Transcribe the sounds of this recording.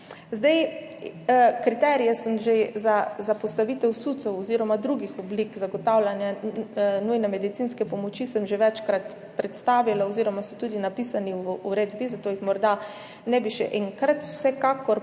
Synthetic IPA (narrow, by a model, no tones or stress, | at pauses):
zd̪ɛj | kɾit̪ɛɾijɛsəmʒezazapɔst̪aʋiːt̪ɛwsut̪sɔwɔziːɾɔmad̪ɾuɡixɔblikzaɡɔt̪awlanja | nujnɛmɛd̪it̪inskɛpɔmɔt͡ʃisəmʒeʋɛt͡ʃkɾat̪ | pɾɛt̪st̪aːʋilaoziɾɔmasɔt̪uːd̪inapisaniuɾeːd̪bizat̪oːjixmɔɾd̪a | nɛbiʃɛ̰ʔɛŋkɾat̪wsɛkakɔɾ